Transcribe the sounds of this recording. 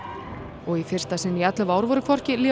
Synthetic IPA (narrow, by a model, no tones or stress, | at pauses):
ɔɣifɪr̥st̪asɪnːiat̪lɪvaːwɾvɔɾɪkʰvɔr̥cɪli